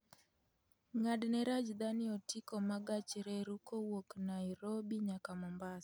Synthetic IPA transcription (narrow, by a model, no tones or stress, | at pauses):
ŋadnɛɾad͡ʒd̪anɪɔtikɔmaɡat͡ʃɾɛɾukowoknaiɾobiɲakamɔmbas